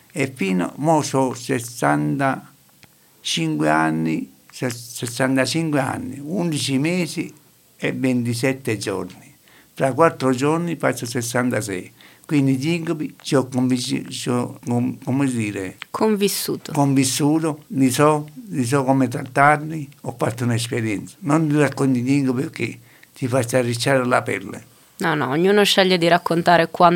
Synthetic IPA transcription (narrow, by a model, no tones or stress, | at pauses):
efːiːno̰mososesant̪a | t͡ʃiŋkweanːissesːant̪at͡ʃiŋkwea̰nːḭund̪it͡ʃimeːsi | evːent̪is̬ɛt̪ːed͡ʒo̰ɾni | fɾakwat̪ːɾod͡ʒoɾnifat͡ʃːosesːant̪as̬ɛ̰ikwind̪id͡ʒ̪iŋkopit͡ʃiokːomvit͡ʃt͡ʃokomesd̪iːɾekʰoɱvisːuːt̪okoɱvisːuːt̪olisɔlis̬ɔkomet̪̬ɾat̪ːaɾniopːaɾt̪ːonaespeɾjɛnt̪sḁnont̪irakːont̪iliŋkopikːe | t͡ʃ̪ːifast̪arːit͡ʃːaɾelapɛ̰lːḛ | nɔnɔ̰oɲːuːnoʃːɛʎːed̪iɾakːont̪aːɾekwan